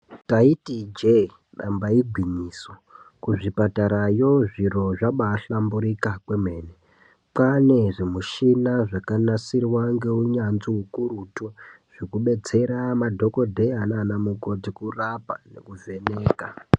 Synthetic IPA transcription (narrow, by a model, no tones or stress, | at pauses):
taitid͡ʒe | ɗa̰mbaiɡʱwiɲiːso | kuʐipataɾajo̞ʐiro̞ʐaɓaɬambuɾikakweme̞ːne | pane̞ʐemuʃinaʐakanasirwaŋɡe̞uɲanziukurutoʐ̥ikuɓe̞d͡ze̞ɾamadʱo̞ko̞dʱe̞ananamuko̞tikurapane̞̰kuve̞neːka